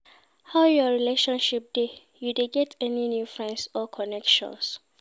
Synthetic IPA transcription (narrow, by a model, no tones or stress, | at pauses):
haʊjɔɹileʃɔ̃nʃip̚d̥e | judeɡɛtʰɛninjufɹɛ̃nsɔkʰɔnɛkʃɔ̰̃ns